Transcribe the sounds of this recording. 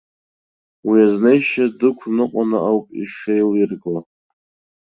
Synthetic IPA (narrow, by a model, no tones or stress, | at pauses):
wiaznejʃadɨkʷʰnɨqʼanaʔawpʼiʂejlirɡo